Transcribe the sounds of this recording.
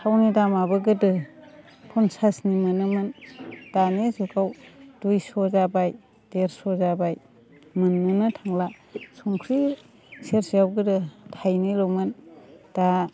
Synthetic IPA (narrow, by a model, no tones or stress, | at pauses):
sawnidamabɯɡɯdɯ | pʰunsasnimɯnɯmɯnd̥anizukʰawd̥ujsɔzabaj | d̥eɾsɔzabaj | mɯnːɯnɯtʰaŋlasɔŋkʰɾi | seɾsijawɡɯdɯtʰajnilomɯnd̥a